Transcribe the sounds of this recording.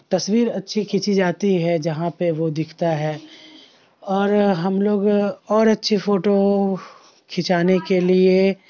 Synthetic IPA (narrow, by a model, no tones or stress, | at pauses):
t̪ɐswiːɾɐtːʃʰikʰɪt͡ʃid͡ʒaːt̪iɦɛd͡ʒɐɦãpeʋod̪ɪkʰt̪aɦɛː | ɔːɾɦɐmloːɡɔːɾɐtːʃʰifoːʈo | kʰɪt͡ʃaːnekelie